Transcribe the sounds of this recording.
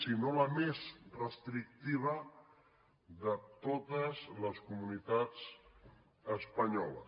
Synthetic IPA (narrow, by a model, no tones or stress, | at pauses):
sinoləmezrəst̪ɾik̚t̪iβ̞ə | ðət̪ot̪əzləskumunit̪ad͡z | əspəɲɔlə̰s